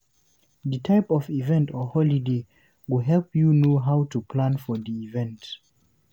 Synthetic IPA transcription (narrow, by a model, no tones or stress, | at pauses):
ðətʰaɪpɔvivɛ̃ntɔhɔlide | wuɦɛlpjunoɦawtupʰlãnfɔðiivɛ̃nt